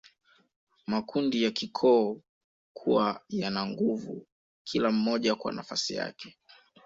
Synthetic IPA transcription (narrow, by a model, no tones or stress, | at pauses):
makʰundijakikʰɔː | kʰuwajanaŋɡuvṵ | kʰilam̩mɔʄakwa̰nafasija̰kɛ̥